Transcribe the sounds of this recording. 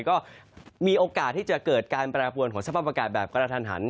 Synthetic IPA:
kɔː˥˩miː˧ʔoː˧kaː˨˩t̪ʰːiː˥˩t͡ɕa˨˩kɤː˨˩t̪̚kaː˧npɾaː˧pʰu˧ənkʰɔː˩˦ŋsa˧pʰaː˥˩p̚a˧kaː˨˩t̪̚bɛː˨˩p̚kɾaː˧t̪ʰaː˧nɦa̰˩˦n

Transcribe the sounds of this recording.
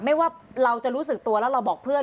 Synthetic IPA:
ma˥˩jwaː˥˩ɾa˧wt͡ɕa˨˩ʔɾuː˦˥s̬ɯ˨˩k̚t̪u˧əlɛ˦˥wɾa˧wbɔː˨˩k̚pʰɯ˥˩ən

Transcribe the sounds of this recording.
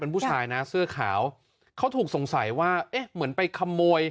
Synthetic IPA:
pe˧npʰuː˥˩t͡ɕʰaː˧jna˦˥sɯ˥˩ɐkʰa̰ː˩˦w | kʰa˦˥wt̪ʰuː˨˩k̚so˩˦ŋsa˩˦jwaː˥˩ʔe˦˥mɯ˩˦npa˧jkʰa˧mːoː˧j

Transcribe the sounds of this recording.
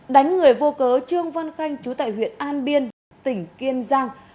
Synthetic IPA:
ɗa˨˦jŋ̟ŋɨ˨˩əjvo˧kəː˨˦t͡ɕɨ˧əŋva˧nxa˧jŋ̟t͡ɕu˨˦t̪a̰ː˧˨jɦwḭ˧˨ənʔaː˧nɓi˧ən | t̪ï˧˩ŋ̟ki˧ənzaː˧ŋ

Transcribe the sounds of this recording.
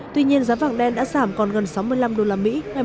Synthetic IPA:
t̪wi˧ɲi˧ənzaː˨˦va̰ː˧˩˨ŋɗɛ˧nɗa̰ː˧˥zaː˧˩mkɔ˨˩nɣə˨˩nsa˨˦wmɨ˧əjla˧mɗo˧laː˨˩mḭ˧˥ŋa˨˩

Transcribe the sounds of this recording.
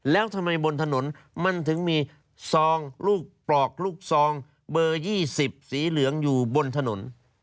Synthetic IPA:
lɛː˦˥wt̪ʰa˧mːa˧jbo˧nt̪ʰa˧no˩˦n | ma˧nt̪ʰɯ˩˦ŋmiː˧ | sɔː˧ŋluː˥˩k̚plɔː˨˩k̚luː˥˩k̚sɔː˨˧ŋ | bɤː˧jiː˥˩si˨˩p̚siː˩˦lɯ˩˦əŋjuː˨˩bo˧nt̪ʰa˧no̰˩˦n

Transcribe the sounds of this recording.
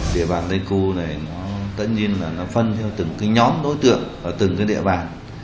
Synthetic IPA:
ɗḭ˧˨ɓaː˨˩nlə˧jku˧na˨˩jnɔ˨˦t̪ə̰˧˨nɲi˧ənlaː˨˩nɔ˨˦fə˧nt̪ʰɛ˧wt̪ɨ˨˩ŋkaː˨˦jɲɔ˨˦mɗo˨˦jt̪ɨ̰˧˨əŋʔəː˨˩t̪ɨ˨˩ŋkaː˨˦jɗḭ˧˨əɓaː˨˩n

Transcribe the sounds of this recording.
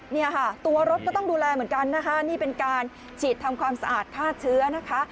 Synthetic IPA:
ni˥˩ɐkʰa˥˩t̪u˧ɐɾo˦˥t̪̚kɔː˥˩t̪ɔ˥˩ŋduː˧lɛː˧m˨˩˦ŋka˧nːa˦˥kʰa˦˥niː˥˩pe˧nkaː˧n | t͡ɕʰiː˨˩t̪ʰːa˧mkʰwaː˧msa˧ʔaː˨˩t̪̚k̪ʰaː˥˩t̪̚t͡ɕʰɯ˦˥ɐna˦˥kʰa˦˥

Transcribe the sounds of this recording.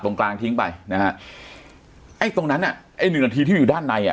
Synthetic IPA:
lo˧ŋklaː˧ŋt̪ʰi˦˥ŋpa˧jna˦˥ha˦˥ | ʔa˥˩jt̪o˧ŋna˦˥nʔa˨˩ʔa˥˩jnɯ˨˩na˧t̪ʰiː˧t̪ʰiː˥˩juː˨˩aː˥˩nːa˧jʔa̰˨˩

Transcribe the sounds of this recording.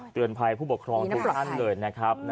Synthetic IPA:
t̪ɯ˧ənpʰa˧jpʰu˥˩pu˨˩kʰɾɔː˧ŋu˦˥k̪ʰa˥˩nlɤː˧jna˦˥kʰɾa˦˥p̚n

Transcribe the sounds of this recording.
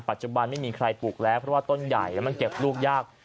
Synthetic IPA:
pa˨˩t̪̚t͡ɕu˨˩ba˧nma˥˩jmiː˧kʰɾa˧jpuː˨˩k̚lɛː˦˥wpʰɾɔ˦waː˥˩t̪o˥˩nja̰˨˩jlɛ˦˥ma˧nke˨˩p̚luː˥˩k̚jaː˥˩k̚

